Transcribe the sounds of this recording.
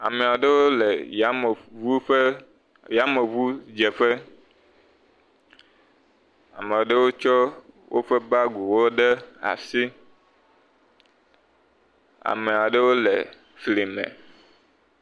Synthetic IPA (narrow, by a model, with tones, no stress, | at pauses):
a̰˨me˨a˨ɖe˦wo˦le˨ja˨˦˨vu˦ɸe˦ | ja˦me˨vu˦d͡ʒe˨ɸe˦ | a̰˨me˨o˨ɖe˦wo˦t͡ʃɔ˦wʔo̰˦ɸe˦ba˦ɡu˨wo˦ɖe˦a̰˨si˦ | a̰˨me˨a˨ɖe˦wo˦le˨ | fli˨mḛ̃˨